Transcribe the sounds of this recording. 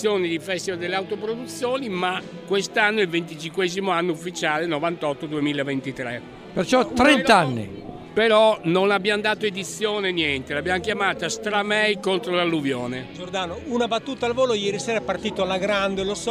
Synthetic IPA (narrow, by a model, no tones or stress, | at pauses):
joːnid̪ifɛst̪ivald̪elːeawt̪opɾod̪ut̪sːjoːnima | kwest̪anːoilvent̪it͡ʃiŋkwɛːzimoanːoufːit͡ʃaːlenovant̪ɔt̪ːod̪uemiːlavent̪it̪ɾɛ | pert͡ʃɔt̪ːɾɛnt̪aanːḭ | peɾɔnonabːjand̪aːt̪oed̪it̪sːjoːnenjɛnt̪elabjamkjamaːt̪ast̪ɾamɛjkont̪ɾolalːuvjoːned͡ʒord̪aːnounabat̪ːuːt̪alvoːlojɛːɾisɛːɾapart̪iːt̪oalaɡɾand̪elosɔ